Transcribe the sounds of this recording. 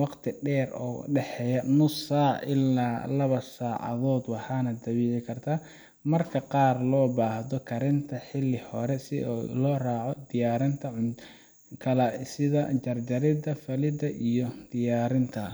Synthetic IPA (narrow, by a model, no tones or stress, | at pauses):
wɑqt̪ʰɪɖɛːrɔ̰ːɖɛħɛjɐnʊsaːʔɪlːaːlɐβɐsaːʕɐ̰ðɔːd̪wɑħɑnɐd̪ɐβiːʕɪkʰɐrt̪ʰa | mɐrkʰɐqɑːrlɔːbaːhðɔkʰɐɾɪnt̪ʰɐħɪlːɪhɔɾɛsɪːlɔːraːʕɔd̪ɪjaːɾɪnt̪ʰɐʕʊ | kʰɐlɐsɪðɐt͡ʃɐrd͡ʒɐɾɪd̪ɐfɐlɪd̪ɐʔijɔd̪̥ɪjaːɾɪnt̪ʰɐ